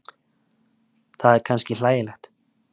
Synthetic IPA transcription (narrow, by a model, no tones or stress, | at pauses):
θaðɛɾ̥kʰanscɪlaːjɪlɛxt̪